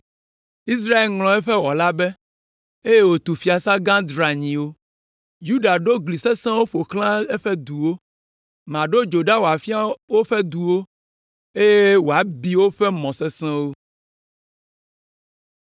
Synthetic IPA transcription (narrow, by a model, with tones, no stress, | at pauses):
i˦s̬ɾa˦e˨lŋlɔ̃˨ɛ˦ɸɛ˦wɔ˨la˦bɛ˦ | e˦je˦wo˨t̪u˨fi˦a˨sa˦ɡã˦d̪ɾa˨ɲĩ˨wo˦ | ju˦ɖa˨ɖo˦ɡli˨sɛ˦sɛ̃˦wo˦ɸo˨klã˦ɛ˦ɸɛ˦d̪u˨wo˦ | mã˨ɖo˦d͡ʒo˨ɖa˦wo˨a˨fi˦a˦wo˦ɸɛ˦d̪u˨wo˦ | e˦je˦wo˨a˨˦bi˦wo˦ɸɛ˦mɔ̃˨sɛ˦sɛ̃˦wo˦